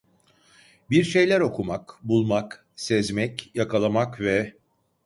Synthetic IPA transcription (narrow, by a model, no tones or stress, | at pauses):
biɾʃejlʲæɾo̞kʰumakbulˠmak | sɛzmɛcjakʰalˠamakvɛ